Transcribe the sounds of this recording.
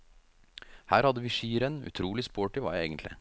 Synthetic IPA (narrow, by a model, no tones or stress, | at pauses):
hæːɾhɑd̪əʋiːʃiːɾənʉ̰t̪ʰɾuːlɪspoːʈɪʋɑ̰ːḛːɡənt̪lɪ̰